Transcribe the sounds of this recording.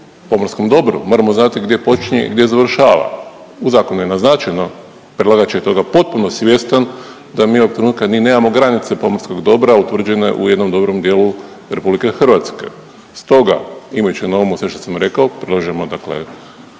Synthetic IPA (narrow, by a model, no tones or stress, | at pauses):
po̞moɾsko̞md̪o̞bɾṵmoɾamo̞znat̪iɡd̪je̞po̞t͡ʃiɲḛḭɡd̪jezaʋr̩ʃaːʋa̰ | uzaːko̞nujenaznat͡ʃajno | pɾelˠaɡat͡ʃejet̪o̞ɡapo̞t̪̚punosʋje̞st̪an | d̪amiːoɡ̚t̪ɾenuːt̪̚kamiːne̞ːmamo̞ɡɾanit̪sepo̞moɾsko̞ɡd̪o̞bɾaut̪ʋr̩d͡ʒe̞ne̞̰ʔṵje̞d̪no̞md̪o̞bɾo̞md̪jelu | ɾe̞publike̞xr̩ʋat̪ske̞̰ | st̪o̞ɡa̰imajut͡ɕenoomusʋe̞ʃt̪osamɾe̞kaopɾelˠaʒemod̪aklḛ